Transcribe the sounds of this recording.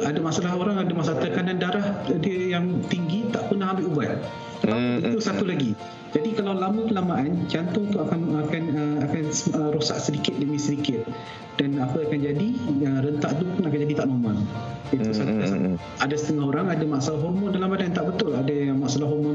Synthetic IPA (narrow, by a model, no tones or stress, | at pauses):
adamaʔsalaɦoɾaŋadamaʔsalaht̪əkanandaɾahdiəjaŋt̪iŋɡit̪aʔpənaɦambɪʔubat̪̚ | it̪usat̪ulaɡi | d͡ʒadikalawlamə̃kəlamaʔand͡ʒant̪ʊŋt̪uakanakanəakanəɾosa̰ʔsədikɪt̪̚dəmisədikɪt̪̚ | d̥anapəakand͡ʒadiəɾənt̪aʔt̪upʊnakand͡ʒadit̪aʔnɔmɔniusatas | adasə̥t̪əŋaɦoɾaŋadamaʔsalaɦɔrmɔndalamadant̪aʔbət̪ʊladamaʔsalahɦɔrmɔn